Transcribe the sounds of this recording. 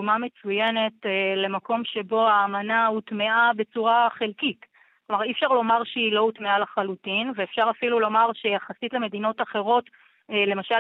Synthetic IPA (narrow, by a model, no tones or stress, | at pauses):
mame̞t͡sujene̞tːle̞mako̞mʃe̞bo̞aːmanautmeʔabe̞t͡suʁaχelkit | klomaʁifʃaʁlo̞maʁʃeilo̞utmealaχalutinveefʃaʁafilulo̞maʁʃejaχasitle̞me̞d̪ino̞taχe̞ʁo̞tː | le̞maʃa